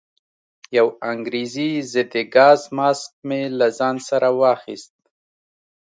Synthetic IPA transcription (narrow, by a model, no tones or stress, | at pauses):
jawaŋɡɾizizɪd̪eɡɑzmɑsk̚melazɑnsaɾʔawɑxḭst̪̚